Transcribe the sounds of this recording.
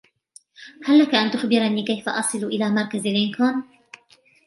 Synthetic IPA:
halːakaʔant̪ʊxbɪɾaniːkajfa̰ʔɑsˤɨlʊʔɪlaːmɑɾˤkazalʔɪnkaːn

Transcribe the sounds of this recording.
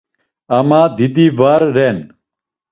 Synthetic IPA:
ɐmãːd̪id̪iːʋaːɾːeːn

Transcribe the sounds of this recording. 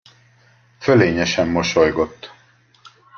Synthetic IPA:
føleːɲɛʃɛmːo̞ʃojɡo̞t̪ː

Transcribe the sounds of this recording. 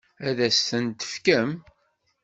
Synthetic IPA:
æðæsθənt̪ə̥fkəm

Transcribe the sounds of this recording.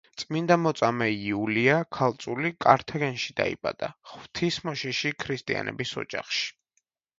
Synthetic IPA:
t̪sʼmind̪amɔt̪sʼamɛiuliakʰalˠt̪sʼulikʼaɾt̪ʰɛɡɛnʃid̪a̰ḭbʼa̰d̪̥aχv̥t̪ʰismɔʃiʃikʰɾist̪ʼia̰nɛ̰bisɔ̰d͡ʒa̰χʃi̥

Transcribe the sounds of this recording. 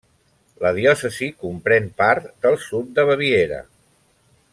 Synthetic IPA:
ləðiɔsəzikumpɾɛnpaɾt̪d̪əlˠsut̪̚d̪əβəβieɾə̰

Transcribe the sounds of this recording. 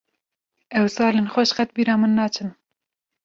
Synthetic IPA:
ɛwsɑːleːnxʷɛʃqɛt̪̚biːɾɑːmɨnːɑːt͡ʃʰɨn

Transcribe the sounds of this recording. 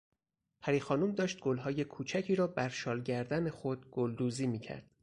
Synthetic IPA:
pʰæɾiːxɒːnuːmd̪ɒːʃt̪̚ɡ̥olɦɒːje̞kʰuːt͡ʃʰæcʰiːɾɒːbæɾʃɒːlɟæɾd̪æne̞xod̪̥̚ɡ̥old̪uːziːmiːcʰæ̰ɾd̪̥̚

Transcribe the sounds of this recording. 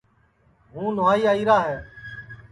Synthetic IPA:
ɦũːnʊʋaːiːaːiːɾaːɦɛː

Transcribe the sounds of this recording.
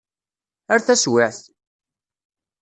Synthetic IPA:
æɾθæswæθ

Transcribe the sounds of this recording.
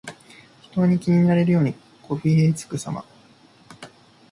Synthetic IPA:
çi̥t̪o̞ɲ̟ikʲiɲ̟inaɾe̞ɾɯ̟jo̞ːɲ̟i | kʰo̞ɸiːet͡sɨ̥kɯ̟sa̰ma̰

